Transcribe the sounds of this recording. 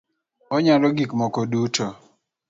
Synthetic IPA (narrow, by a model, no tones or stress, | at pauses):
ɔɲalɔɡikmɔkɔdutɔ